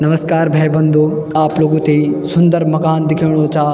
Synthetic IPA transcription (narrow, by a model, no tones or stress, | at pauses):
nɐməskaːɾbʱɛːbɐ̃nd̪ʱoː | aːploːɡũt̪eisʊ̃nd̪əɾmɐkaːnd̪ɪkʰiʋɽ̃ot͡ɕaː